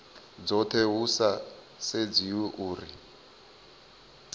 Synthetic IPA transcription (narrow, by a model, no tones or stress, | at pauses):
d͡zɔtʰɛɦusa | sed͡ziwɛʔuːri